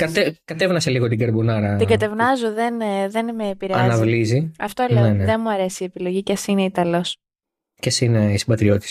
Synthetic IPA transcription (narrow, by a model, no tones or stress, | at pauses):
kɐt̪ekɐt̪e̞vnɐseliɣo̞t̪iɡɐɾbunɐɾɐt̪iɡɐt̪e̞vnɐzuðe̞nðe̞nmeːpiɾeɐnɐvliziɐft̪olneneneðenmuɐɾe̞sie̞pilo̞ʝicɐsineit̪ɐlo̞s | cesine̞isibɐt̪ɾio̞t̪i̥s